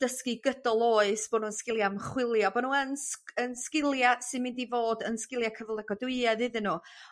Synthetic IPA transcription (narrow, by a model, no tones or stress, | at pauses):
d̥əskiɡədɔlˠoːɨsb̥ɔnuːənskɪlˠjamχwɪlˠjɔbɔnuːənsənskɪlˠjasɪnmɪ̃ndivoːdənskɪlˠjakʰəvlˠɛɡɔduɨɛðɨðɨnuː